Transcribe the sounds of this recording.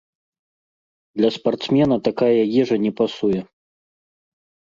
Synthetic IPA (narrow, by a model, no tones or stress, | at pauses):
d̪lʲɐspart̪smʲɛnɐt̪akajɐjɛʐɐnʲɛpasujɛ